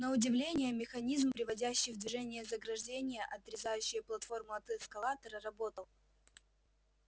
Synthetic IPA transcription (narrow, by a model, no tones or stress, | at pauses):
nəʊdʲɪvlʲenʲɪjəmʲɪxɐnʲizmpɾʲɪvɐdʲæɕːɪjvd̪vʲɪʐɛnʲɪjəzəɡɾɐʐdʲenʲɪjəʔɐt̪ɾʲɪzajʉɕːɪjəplˠɐt̪fo̞rmʊɐt̪ɨɛskɐlˠat̪əɾəɾɐbo̞t̪əlˠ